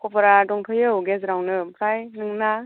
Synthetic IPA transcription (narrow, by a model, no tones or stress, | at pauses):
kʰɔpaɾadɔŋtʰɔjɯɡezɾawnɯpʰɾajnɯŋna